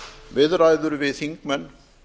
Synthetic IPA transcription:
ʋeːðɾaːjd̪uɾʋeːsiŋkmɐn

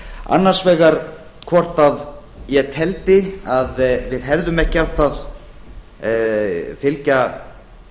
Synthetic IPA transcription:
a̰nːḁsvɛːɣaɾ | kʰvɔr̥t̪að | jɛt̪ʰɛlt̪ɪaðvɪðɦɛɾðʏmɛhcɪaw̥t̪ʰað | fɪlca

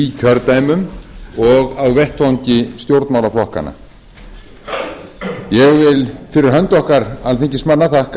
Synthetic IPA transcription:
icʰœɾt̪aːjmʏmɔɣawvɛht̪fawɲcɪst̪jowɾt̪nmawlaflɔhka̰na̰ | jɛɣvɪlfɪɾɪɾ̥ɦœnt̪ɔhkaɾalθiɲcɪsmanːaθahk

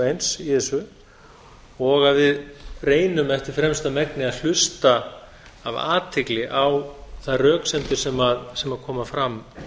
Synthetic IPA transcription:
ejnsiθɛsʏ | ɔɣaðvɪðreːjnʏmɛft̪ɪɾ̥fɾɛmst̪amɛknɪaðl̥ʏst̪aː | va̰ːt̪ʰɪklɪʔawθaðrœːksɛnt̪ɪsɛmaðsɛmaðkʰɔːmafɾam

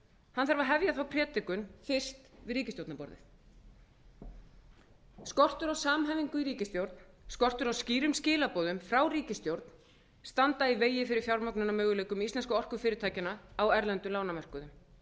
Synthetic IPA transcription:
hanθaɾvaɦɛvjaθawpʰɾɛːt̪ɪkʏnfɪr̥st̪vɪðriːcɪst̪jowt̪napɔ̰ɾðɪ̰θ | skɔr̥t̪ʏɾawsaːmɦɛjviŋkʏiɾiːcɪst̪jowɾt̪n | skɔr̥t̪ʏɾawsciːɾʏmscɪːlapɔːðʏmfɾawriːcɪst̪jowɾt̪n̥ | st̪ant̪aiveːjɪfɪɾɪɾ̥fjawɾmœknʏnamœːɣʏleːjkʏmist̪lɛnskʏɔr̥kʏfɪːɾɪɾt̪ʰaːjcɪnaawɛɾlɛnt̪ʏlaːwnamɛr̥kʏðʏm

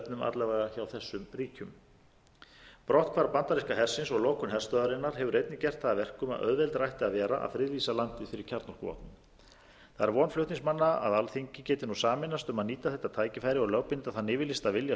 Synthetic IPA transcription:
pnʏma̰t̪lɛvaɣaçawθɛsːʏmriːcʏm | pɾɔht̪kʰvaːɾapant̪aɾiskaɦɛr̥sɪnsɔɣloːwkʏnɦɛr̥st̪œːðaɾɪnːaɾ̥ɦɛvʏɾejt̪nɪcɛr̥t̪θaðːavɛr̥kʏma̰ðʔœ̰ðvɛlt̪ɾajht̪ɪaðvɛːɾa̰ʔa̰ðfɾɪðviːsalan̥t̪ɪfɪɾɪɾ̥cʰaɾt̪nɔr̥kvɔ̰ːht̪nʏ | θaðɛɾvɔːnflʏht̪iŋsmanːaa̰ðalθiɲcɪcɛːt̪ɪnusaːmɪnːast̪ʏmaðniːt̪aθɛht̪ːat̪ʰaːjcɪfajɾɪɔɣlœwpɪnt̪aθanɪːvɪlɪst̪avɪlja

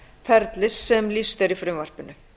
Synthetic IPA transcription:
fʰɛɾt̪lɪsːɛmlist̪ɛɾifɾʏmvar̥pɪnʏ

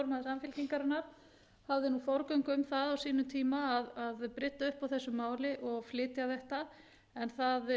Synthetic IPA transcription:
ɔɾmaðsamfɪlciŋkaɾɪnːaɾ̥ | havðɪnufɔwɾkœɥŋkʏmθaðawsiːnʏmt̪ʰiːmaːðaðpɾɪt̪ːaʏhpawθɛsːʏmaːwlɪʔɔɣflɪːt̪jaθɛht̪a | ɛnθað

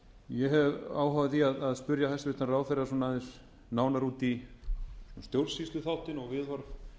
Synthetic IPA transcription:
jɛɦɛvaːwɦaːwvɪθiaðaðspʏɾjaθɛsavɪht̪naraːwfɛɾasɔnaðɪl | naːwnaɾuːt̪i | sɔnst̪jowɾ̥sist̪ʏθawht̪ɪnɔɣvɪðvaɾv

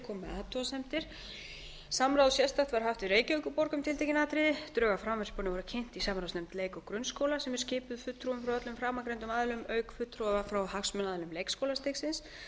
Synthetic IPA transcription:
kʰɔmaːt̪ɔsɛm̥t̪ɪɾ̥ | samɾawðsjɛst̪aht̪vaɾ̥ɦaft̪ɪreːjcœːɥkʏpɔɾkʏmt̪ʰɪlt̪ejcɪnaːt̪ɾɪðɪt̪ɾœːɣafɾamvɛɾ̥spɔnɪvɔɾʏcʰɪn̥t̪isamɾawsnɛmt̪leːjkɔkɾʏnskowlasɛmɛɾ̥scɪːpʏðfʏt̪ːɾuʏmfɾawœt̪lʏmfɾaːmakɾejnt̪ʏmaðlʏmœːɥkfʏt̪ːɾuɛvafɾawhaksmʏnaðlʏmlejkskoːwlast̪eksɪns

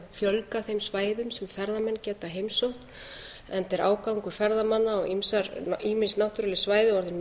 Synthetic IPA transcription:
fjœlkaθejmsvaːjðʏmsɛmfɛɾðamɛnːcɛːt̪aɦejmsowht̪ | ɛnt̪ɛɾaːwkawŋkʏɾ̥fɛɾðamanːaɔɣimsaɾiːmɪnsnawht̪yɾalɪsvaːjðɪɔɾðɪn

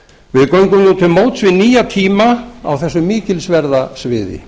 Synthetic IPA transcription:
vɪðkœɥŋkʏmnuːt̪ʰɪlmoːwt̪svɪniːjat̪ʰiːmaa̰wθɛsːʏmɪːcɪlsvɛɾðasvɪːðɪ̰

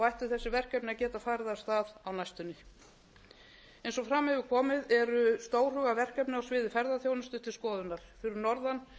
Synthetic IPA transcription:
vajht̪ʏɾθɛsːɪvɛr̥kɛpnacɛːt̪afaːɾɪðḁst̪aːðawnajst̪ʏnːɪ | ejnsɔfɾamhɛvʏɾkʰɔːmɪðɛɾʏst̪oːwr̥ʏːɣavɛr̥kɛpnɪawsvɪːðɪfɛɾðaθjownɪst̪ʏt̪ʰɪlskɔːðʏnːaɾ̥fɪɾɪɾnɔɾðan

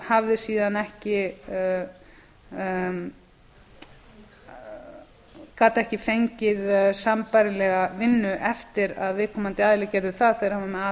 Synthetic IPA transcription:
havðɪsiːðanɛhcɪ | kaːt̪aɛhcɪfejɲcɪðsampajɾɪlɛɣavɪnːʏʔɛft̪ɪɾa̰ðvɪðkʰɔmant̪ɪaːðɪlɛcɛɾðʏθaðθɛjɾhavamɛaː

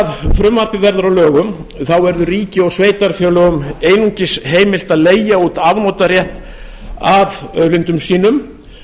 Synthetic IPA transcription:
ðfɾʏmːar̥pɪvɛɾðaɾawlœːɣʏmθawvɛɾðʏriːcɪɔɣsveːjt̪aɾfjœːlœɣʏmeːjnuɲcɪsɦeːjmɪl̥t̪aðleːjauːt̪avnowt̪aɾjɛht̪ | aðœðlɪnt̪ʏmsiːnʏm

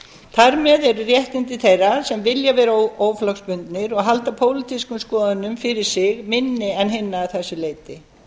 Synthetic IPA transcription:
θʰaɾmɛðɛɾrjɛht̪ɪnt̪ɪθejrasɛmvɪljavɛːɾaooːwflɔkspʏnt̪nɪɾɔɣɦalt̪apʰoːwlɪt̪ʰiskʏmskɔːðʏnʏmfɪɾɪɾ̥sɪɣmɪnːɪɛnɦɪnːaːθɛsːʏleːjt̪ɪ

